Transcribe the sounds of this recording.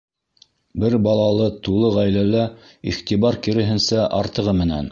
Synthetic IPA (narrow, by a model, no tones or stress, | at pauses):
bɘɾbɑlˠɑlˠɤt̪ulˠɤʁæjlælæ | ḭχt̪ibɑɾkĭɾɘ̆ɦɘ̆nsæʔɑɾt̪ɤ̆ʁɤmɘ̆næ̰n